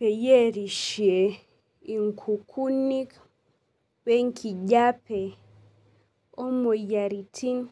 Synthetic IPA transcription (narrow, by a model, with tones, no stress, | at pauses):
pe˨je˦ɾi˨ʃe˨ | i˨ŋkʰu˨kʰu˦ni˦k | βe˦ŋkʰi˨ɟa˦pe˨ | o˦mo˨ja˨ɾi˨tʰi˦n